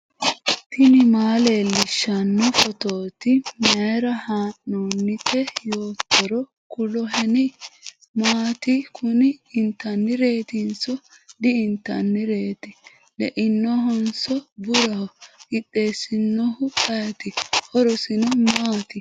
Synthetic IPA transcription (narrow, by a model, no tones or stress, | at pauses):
t̪ʰɪnɪmaːleːlːɪʃːɐnːɔfɔt̪o̞ːt̪ɪmɐjɾɐhaːnːoːnːɪkʰːɛjo̞ːt̪ːɔɾɔ | kʊlɔɦɛnɪ | maːt̪ɪkʰʊnɪːnt̪ːɐnːɪɾe̞ːt̪ɪnsɔ | d̪ɪɪnt̪ːɐnːɪɾe̞ːt̪ɪ | lɛʔɪnːɔɦɔnsɔbʊɾɐhɔɡɪtːe̞ːsɪnːɔhʊkɐjɐt̪ɪhɔɾɔsɪnɔmaːt̪ɪ